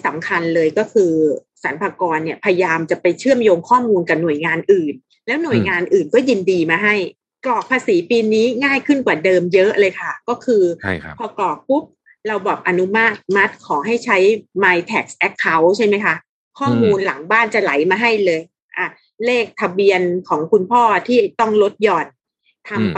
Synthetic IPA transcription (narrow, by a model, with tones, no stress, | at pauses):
sa˩˦mkʰa˧nlɤː˧jkɔː˥˩kʰɯː˧ | sa˨˩˦npʰaː˧kɔː˧nːi˥˩əpʰa˧ja˧jaː˧mt͡ɕa˨˩pa˧jt͡ɕʰɯ˥˩əmjoː˧ŋkʰɔː˥˩muː˧nka˨˩nu˨˩əjŋaː˧nʔɯː˨˩n | lɛː˦˥wnu˨˩əjŋaː˧nʔɯː˨˩nkɔː˥˩ji˧ndiː˧maː˧ɦa˥˩j | klɔː˨˩k̚pʰaː˧siː˩˦piː˧niː˦˥ŋaː˥˩jkʰɯ˥˩nkwaː˨˩dɤː˧mjɤ˦˥ʔlɤː˧jkʰa˥˩kɔː˥˩kʰɯː˧pʰɔː˧klɔː˨˩k̚pu˦˥p̚ | ɾa˧wbɔː˨˩p̚ʔa˧nu˦˥ma˥˩t̪̚ma˦˥t̪̚kʰɔː˩˦ɦa˥˩jt͡ɕʰa˦˥jmaː˧jt̪ʰɛː˨˩k̚sʔɛ˦˥kʰːa˦˥wt͡ɕʰa˥˩jma˦˥jkʰa˦˥ | kʰɔː˥˩muː˧nla˩˦ŋbaː˥˩nt͡ɕa˨˩la˩˦jmaː˧ɦa˥˩jlɤː˧j | ʔa˨˧˩ | leː˥˩k̚t̪ʰa˧bi˧ənkʰɔː˩˦ŋkʰu˧npʰɔː˥˩t̪ʰiː˥˩t̪ɔ˥˩ŋlo˦˥t̪̚jɔː˨˩n | t̪ʰa˧m